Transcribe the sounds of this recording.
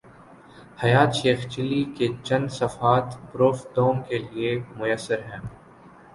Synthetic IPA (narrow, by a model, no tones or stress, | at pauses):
hɐjaːt̪ʃeːxt͡ʃɪlːiket͡ʃɐ̃nd̪sɐfaːt̪bɾoːfɖ̪oːmkeliemʊjəsːəɾɦɛ̃ː